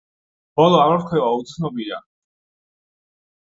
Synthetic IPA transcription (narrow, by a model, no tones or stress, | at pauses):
b̥ɔlˠɔavɾkʰwɛvaut̪sʰnɔbiɾa̰